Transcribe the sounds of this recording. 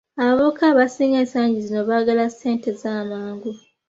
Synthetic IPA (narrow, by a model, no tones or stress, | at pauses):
aβaβokʰaβasiːŋɡeːnsaːɲɟizino̞βaːɡalase̞ːnte̞zaːmaːŋɡu